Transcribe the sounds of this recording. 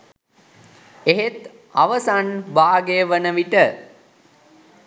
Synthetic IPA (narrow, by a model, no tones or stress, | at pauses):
eɦet̪ | a̰ʋəsanbaːɡejəʋənəʋiʈə